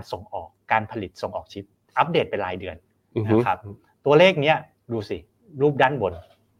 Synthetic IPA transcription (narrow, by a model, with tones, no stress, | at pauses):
nso˨˩ŋʔɔː˨˩kːaː˧npʰa˧li˨˩t̪̚so˨˩ŋʔɔː˨˩k̚t͡ɕʰi˦˥p̚ | ʔa˦˥p̚deː˨˩t̪̚pe˧nlaː˧˦jdɯ˧ən | n˧˦kʰa˦˥p̚ | t̪u˧ɐleː˥˩k̚ni˦˥ɐ | duː˧si˨˩ | ɾuː˥˩p̚daː˥˩nbo˧n